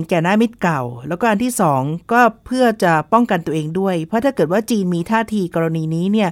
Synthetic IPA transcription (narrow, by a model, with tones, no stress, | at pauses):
kɛː˨˩naː˥˩mi˦˥t̪̚ka˨˩wlɛː˦˥wkɔː˥˩ʔa˧nt̪ʰiː˥˩sɔː˩˦ŋkɔː˥˩pʰɯ˥˩ɐt͡ɕa˨˩pɔ˥˩ŋka˧nt̪u˧əʔeː˧ŋdu˥˩əjpʰɔ˦˥t̪ʰaː˥˩kɤː˨˩t̪̚waː˥˩t͡ɕiː˧nmiː˧t̪ʰaː˥˩t̪ʰiː˧kɔː˧ɾa˧niː˧niː˦˥ni˥˩ɐ